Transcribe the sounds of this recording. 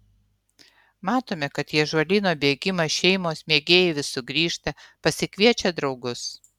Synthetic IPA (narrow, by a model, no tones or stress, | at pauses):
mɑːt̪oːmʲɛkɐt̪jiɛʒʋɐlʲiːnoːbʲeːɡʲɪmɐʃʲɛɪmoːsmʲeːɡʲeːjeʋʲɪsʊɡɾʲiːʃt̪ɐpɐsʲɪkʲʋʲiɛt͡ʃʲɛd̪ɾɒʊɡʊs